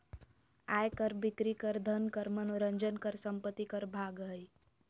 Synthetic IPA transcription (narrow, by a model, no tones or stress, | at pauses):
aːjkəɾbikɾikəɾd̪ʱənkəɾmənɾə̃nd͡ʒənkəɾsəmpət̪ːikəɾbʱaɡɦɦəj